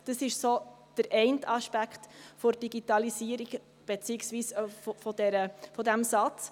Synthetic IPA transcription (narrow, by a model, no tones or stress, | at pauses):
d̥əsɪʃsoː | d̥əɾʔɛɪntɑʃpækχtfɔɾd̥iɡitɑlisiːəɾiɡ | b̥et͡siɪksʋiːsffɔdɛɾəfɔdæmsɑt͡s